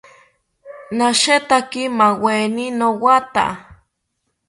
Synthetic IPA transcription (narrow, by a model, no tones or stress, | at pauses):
naʃet̪akimaweninowat̪a̰